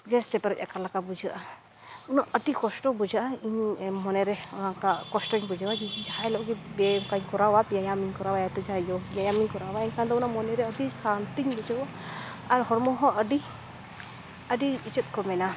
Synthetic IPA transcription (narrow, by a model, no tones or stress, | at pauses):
d͡ʒɛst̪ɛpɛɾɔc̚ʲakalakabud͡ʒaʔa | unaʔəʈikɔsʈɔbud͡ʒaʔaiɲmɔnɛɾɛunakakɔsʈɔiɲbud͡ʒawad͡ʒid͡ʒid͡ʒahajlɔʔɡɛbɛkaɲkɔɾawapijajamiɲkɔɾawajat̪ɔd͡ʒajɔpijajamiɲkɔɾawaɛɲkʰand̪ɔunamɔnɛɾɛəʈisant̪iɲbud͡ʒawaː | ɾhɔɾmɔɦɔ̃ʔəɖi | əɖiit͡ʃɛt̪̚ˀkɔmɛna